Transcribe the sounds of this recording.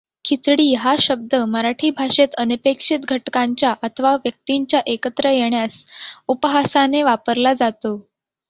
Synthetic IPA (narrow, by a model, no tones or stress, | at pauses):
kʰit̪ɽiːɦaɕəb̚d̪əməɾaʈʰiːbʱaʂet̪ənipekʂit̪ɡʱəʈkaɲt͡ɕjaʔət̪ʰəʋaʋjək̚t̪iɲt͡ɕjaʔekət̪ɾəjeɳjasupɦasaneʋapəɾlad͡zat̪o